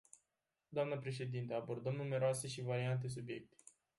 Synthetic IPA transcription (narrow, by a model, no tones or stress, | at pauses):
d̪oamnəpɾe̞ʃe̞d̪int̪əabo̞rd̪əmnume̞ɾoase̞ʃivaɾiant̪̬e̞s̬ubje̞̰k̚t̪e̥